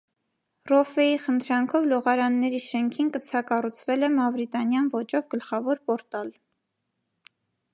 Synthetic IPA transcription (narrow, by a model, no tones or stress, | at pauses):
rɔfɛiχənt̪ʰɾɑŋkʰɔvlɔʁɑɾɑnːɛɾiʃɛŋkʰinkət͡sʰɑkɑrut͡sʰvɛlɛmɑvɾit̪ɑnjɑnvɔt͡ʃɔvɡəlχɑvɔɾpɔɾt̪ɑl